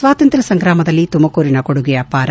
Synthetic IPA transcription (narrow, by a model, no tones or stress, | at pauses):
ʋaːt̪ɐnt̪ɾɐsɐŋɡɾaːmɐd̪ɐlːit̪umɐkoːɾinɐkoɽuɡejaːpaːɾɐ